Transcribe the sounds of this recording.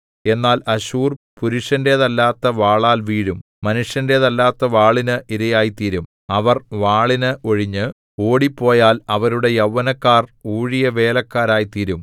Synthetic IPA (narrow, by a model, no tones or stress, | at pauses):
e̞nːaːlɐɕuːrpuɾuʂjɐnde̞ːðɐlːaːt̪ːɐʋaːɭaːlʋiːɻum | mɐnuʂjɐnde̞ːðɐlːaːt̪ːɐʋaːɭinɨʔiɾɐjaːjit̪iɾum | ɐʋɐrʋaːɭinɨʔo̞ɻiɲːɨ | o̞ːɽipːo̞ːjaːlɐʋɐɾuɽe̞jɐwːɐnɐkːaːruːɻijɐʋe̞ːlɐkːaːɾaːjit̪iɾum